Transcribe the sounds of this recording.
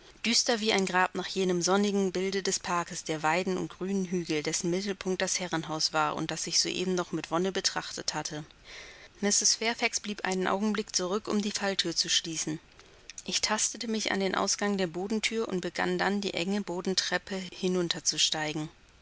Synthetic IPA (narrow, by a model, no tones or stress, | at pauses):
d̥yːstɐviːaɪnɡʁaːpnaːχjeːnəmzɔnɪɡŋ̩bɪldədɛspʰaɐkəsd̥eːɐvaɪdn̩ʊ̰nt̚ɡ̥ʁyːnənɦyːɡl̩dɛsn̩mɪtl̩pʰʊŋk̚t̚d̥ashɛʁənɦaʊsv̥aːɐʔʊ̰nt̚d̥asz̥ɪçz̥o̰ːʔḛːbm̩nɔχmɪtv̥ɔnəbətʁ̥aχtəthatʰə | mɪstəsfɛɐfɛksb̥liːpʔa̰ɪnənʔa̰ʊɡŋ̩blɪkt͡suʁʏkʊ̰mdiːfaltʰyːɐt͡suʃliːsn̩ | ʔɪçtʰastətəmɪça̰ndeːnʔa̰ʊsɡ̥aŋdeːɐboːdn̩tʰyːɐʔʊ̰nt̚b̥əɡa̰ndandḭːʔɛŋəboːdn̩tʁ̥ɛpəhɪnʊntʰɐt͡suʃtaɪɡŋ̩